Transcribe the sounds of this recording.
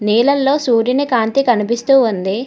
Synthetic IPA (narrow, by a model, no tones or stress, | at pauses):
niːlɐlːoːsuːɾinikaːnt̪ikɐnipist̪uːund̪i